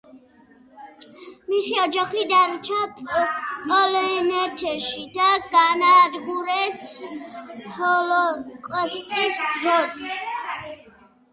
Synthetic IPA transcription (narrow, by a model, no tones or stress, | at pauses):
miχiɔd͡ʒaχid̪aɾt͡ʃʰapʼpʼɔlɛnɛt̪ʰɛʃid̪aɡanaːd̪ɡuɾɛs | ɔlɔqʼwɛskʼisd̪ɾɔt̪